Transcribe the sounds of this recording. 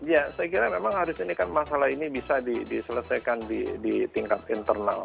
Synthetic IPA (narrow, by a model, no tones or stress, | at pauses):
jasajakiɾamemaŋhaɾʊsinikanmasalahinibisadidisələsajkandidit̪iŋkat̪int̪ərna̰l